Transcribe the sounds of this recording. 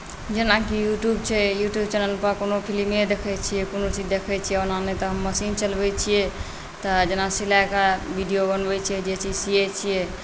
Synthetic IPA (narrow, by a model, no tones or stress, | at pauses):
d͡ʒenakijuʈjubt͡ʃʰɛjuʈjub̚t͡ʃɛnəlpəɾkonopʰilimed̪ekʰɛt͡ʃʰijɛkonot͡ʃid͡ʒd̪ekʰɛt͡ʃʰiɛonanɛt̪ɔɦəmːəsint͡ʃəlbɛt͡ʃʰijɛ | t̪ɔd͡ʒenasilakabʱiɖijobənbɛt͡ʃʰijɛd͡ʒet͡ʃid͡ʒsijɛt͡ʃʰijɛ